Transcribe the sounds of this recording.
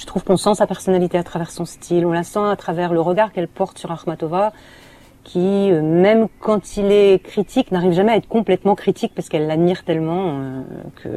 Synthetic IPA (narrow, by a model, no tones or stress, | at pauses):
ʒə̥t̪χuvkɔ̃sɑ̃sapɛʁsɔnalit̪eat̪χavɛʁsɔ̃st̪ʰilɔ̃lasɑ̃at̪χavɛʁləʁəɡaʁkɛlpɔʁt̪syʁaχmat̪ɔva | kʲʰiømɛmkɑ̃t̪ʰilɛkχit̪ʰiknaʁivʒamɛaɛt̪χə̥kɔ̃plɛt̪mɑ̃kχit̪ik̚paʁsə̥kɛlːad̪miʁt̪ɛlmɑ̃ø̰kʰə̰